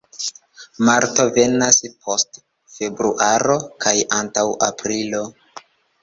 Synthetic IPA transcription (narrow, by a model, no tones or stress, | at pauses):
maɾto̞ve̞naspʰo̞st | fe̞bɾuʔaɾo̞kʰajantawapɾilo̞